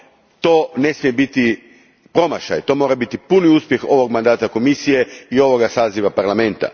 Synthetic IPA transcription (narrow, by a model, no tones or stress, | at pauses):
t̪o̞ːne̞smijebit̪i | pɾo̞maʃa̰jt̪o̞ːmo̞ːɾabit̪ipuniuspje̞xo̞ʋo̞ɡmand̪aːt̪ako̞misije̞io̞ʋo̞ɡasaːziʋapaɾlˠame̞nt̪a̰